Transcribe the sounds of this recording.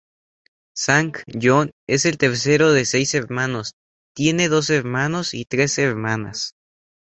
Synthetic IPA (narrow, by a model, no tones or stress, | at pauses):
saŋkʝone̞se̞lt̪e̞ɾs̬e̞ɾo̞ðe̞se̞jseɾmãno̞s | t̪je̞ne̞ðo̞s̬eɾmãno̞sḭt̪ɾe̞seɾmãna̰s